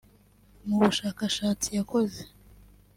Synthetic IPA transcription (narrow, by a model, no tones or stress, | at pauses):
muβuʃaːkaʃaːt͡sijako̞ze